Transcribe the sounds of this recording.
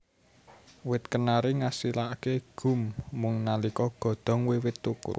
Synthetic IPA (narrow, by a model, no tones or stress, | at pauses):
wɪt̪̚kənaɾiŋasilakeɡ̥ṳmːʊŋnalikɔɡ̥ɔ̤d̪̥ɔ̤ŋwewɪt̪ːukṵ